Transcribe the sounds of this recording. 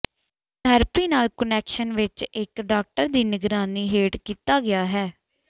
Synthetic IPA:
d̪ʱəɾpiːnaːlkənɛːkʃənʋɪt͡ʃɪkɖaːk̚ʈəɾd̪iːnɪɡɾaːniːɦeːʈkiːt̪aːɡɪjaːɦɛː

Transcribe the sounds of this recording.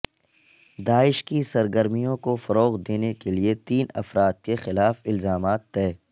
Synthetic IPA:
d̪aːɪʃkisɐɾɡəɾmijõkofɐɾoːɣd̪eːnekeliet̪iːnɐ̰fɾaːd̪̚kexɪlaːfɪlzaːmaːt̪ːɛː

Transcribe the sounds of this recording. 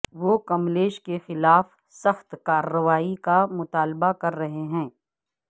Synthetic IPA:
ʋokɐmleːʃkexɪlaːf | sɐxt̪kaːɾːəʋaːikamʊt̪aːlbakɐɾːɐɦeɦɛ̃ː

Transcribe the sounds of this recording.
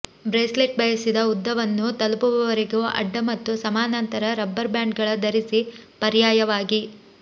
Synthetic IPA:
bɾeːsleʈ̚bɐjɐsid̪ɐud̪ːɐʋɐnːut̪ɐlupuʋɐʋɐɾeɡuʔɐ̰ɖːɐmɐt̪ːusɐmaːnɐnt̪ɐɾɐɾɐbːɐɾbjaːɳɖɡɐɭɐd̪ɐɾisipɐɾjaːjɐʋaːɡi

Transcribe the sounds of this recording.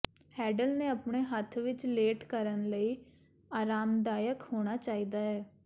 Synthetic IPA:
hɛːɖəlnẽːəpɳeːɦət̪ʰʋɪt͡ʃleːʈkəɾənləiː | aːɾaːmd̪aːjəkhoːɽ̃aːt͡ʃaːiːd̪aːɦɛː

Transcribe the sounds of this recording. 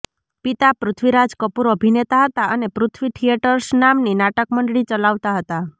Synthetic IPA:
pit̪apɾʊt̪ʰʋiɾad͡ʒkəpuɾəbʱinet̪aɦət̪aənepɾʊt̪ʰʋiʈʰijeʈəɾsnamninaʈəkməɳɖɽit͡ʃəlaʋt̪aɦət̪a

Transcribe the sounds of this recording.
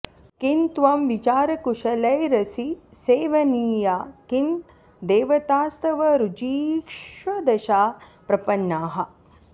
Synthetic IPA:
kint̪ʋɐmʋit͡ʃaːɾɐkuʂɐlɐjɾɐsiseːʋɐniːjakin | d̪eːʋɐt̪aːst̪ɐʋɐɾud͡ʒiːkʂʋɐd̪ɐʃaːpɾɐpɐnːaːɦɐ̆

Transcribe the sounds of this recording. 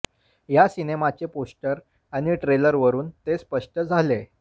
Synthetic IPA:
jasinemat͡ɕeposʈəɾ | aɽ̃iʈɾeləɾʋəɾuːnt̪espəʂʈəd͡zʱale

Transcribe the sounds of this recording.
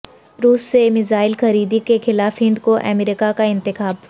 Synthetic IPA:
ɾuːsːemɪzaːɪlxɐɾiːd̪ikexɪlaːfɦɪ̃nd̪koʔɛ̰meɾɪkakaɪ̃nt̪ɪxaːb

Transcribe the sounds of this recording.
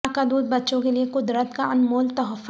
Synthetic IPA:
kad̪uːd̪̚bɐtːʃõkeliekʊd̪ɾət̪kaɐnmoːlt̪ɐɦəf

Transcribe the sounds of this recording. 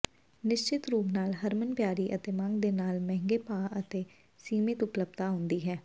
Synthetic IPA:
nɪʃt͡ʃɪt̪ɾuːpnaːlɦəɾmənpjaːɾiːʔət̪eːmə̃ŋɡd̪eːnaːlmɛ̃ːŋɡeːpaːət̪eː | siːmɪt̪ʊpləb̚t̪aːɦʊ̃nd̪iːɦɛː

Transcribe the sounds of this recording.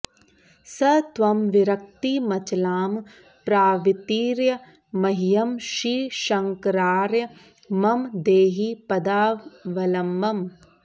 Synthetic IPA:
sɐt̪ʋɐmʋiɾɐk̚t̪imɐt͡ʃlaːm | pɾaːʋit̪iːɾjɐ | mɐɦijɐmʃiːʃɐŋkɾaːɾjɐ | mɐmd̪eːɦipɐd̪aːʋɐlɐmːɐm

